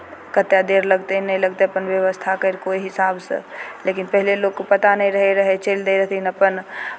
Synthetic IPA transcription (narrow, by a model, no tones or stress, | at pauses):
kət̪jad̪eːɾləɡt̪enəɦĩləɡt̪eɐpənʋjəʋəst̪ʰakəɾkoːiɦɪsaːbsḛleːkɪnpəɦleloːɡkopət̪anəɦĩɾəɦeɾəɦet͡ʃeːld̪eɾəɦt̪inəpən